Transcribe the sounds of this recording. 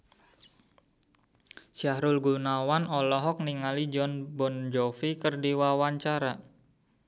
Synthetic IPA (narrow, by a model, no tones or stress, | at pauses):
siahɾʊlɡunawanɔlɔɦɔk̚niŋalid͡ʒɔnbɔnd͡ʒɔfikərdiwawaɲt͡ʃaɾa